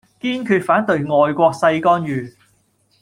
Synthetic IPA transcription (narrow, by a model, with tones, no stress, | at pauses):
kiː˥nkʰyː˧t̚faː˨˥nt̪ɵ˧ɥŋɔː˨jkʷɔː˧k̚sɐ˧jkɔː˥njyː˨